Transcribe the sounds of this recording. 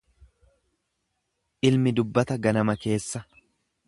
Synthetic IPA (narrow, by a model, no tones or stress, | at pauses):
ʔɪlmɪd̪ʊbːɐt̪ɐɡɐnɐmɐke̞ːsːɐ